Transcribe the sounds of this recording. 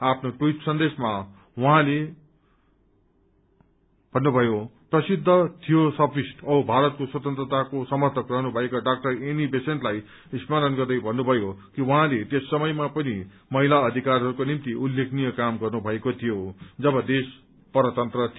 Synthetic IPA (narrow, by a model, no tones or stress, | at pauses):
apʰnoʈwuitsʌnd̪esma | wʌɦãle | bʱʌnːubʱʌjoprʌsid̪ʱːʌt̪ʰijosʌbrisʈʌʌbʱaɾʌt̪̚koswʌt̪ʌnt̪rʌt̪akosʌmʌrt̪ʰʌkrʌɦnubʱʌekaɖak̚ʈʌrenibesenʈlaj | ismalʌnɡʌrd̪ʌjbʱʌnːubʱʌjokiwʌɦãlet̪esːʌmʌjmapʌni | mʌɦilaʌd̪ʱikarɦʌɾukonimt̪iʔulːekʰnijʌkamɡʌrnubʱʌekot̪ʰijod͡zʌbʌd̪es | pʌɾʌt̪ʌnt̪rʌt̪ʰ